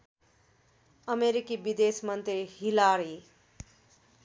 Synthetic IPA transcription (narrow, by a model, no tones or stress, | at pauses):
ʌmeɾikibid̪esmʌnt̪rihilaɾi